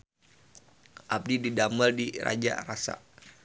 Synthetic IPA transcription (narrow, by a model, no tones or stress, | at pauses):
ʔab̚dididaməldiɾa̰d͡ʒa̰rasa̰